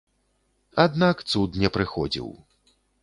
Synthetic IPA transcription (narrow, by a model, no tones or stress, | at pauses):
ad̪nakt̪sut̪nʲɛpɾɨxɔd͡zʲḭw